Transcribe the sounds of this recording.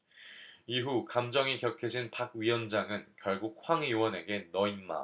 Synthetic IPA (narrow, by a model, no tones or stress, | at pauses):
iɦukamd͡ʑʌŋikjʌkʰed͡ʑinpaɡ̚ɥiʌnd͡ʑaŋɯnkjʌɭɡuk̚hwaŋɥiwʌne̞ɡe̞nʌinma̰